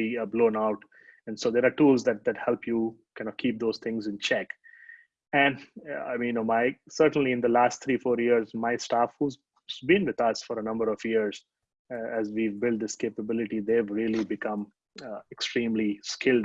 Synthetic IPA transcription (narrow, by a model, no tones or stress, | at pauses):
iblõːnaʊʈ | ɛ̃nsoːd̪eɾaːɾʈuːlzd̪æʈ̚d̪æʈhɛlpjuːkãnɔkʰiːp̚d̪oːzt̪ʰɪ̃ŋzɪ̃nt͡ʃɛk | ɛ̃naɪmĩnomaɪsəɾʈə̃n̩liɪ̃nd̪əlaːs̚t̪ʰɾiːfɔːɾjiəɾzmaɪsʈaːfhuːz | zbĩnʋɪd̪ʌsfɔɾənʌ̃mbəɾɔfjiəɾz | æzʋiʋbɪlɖ̚d̪ɪskeːpəbɪlɪʈid̪eːʋɾiəlibɪkʌ̃m | ɛksʈɾĩːmliskʰɪlɖ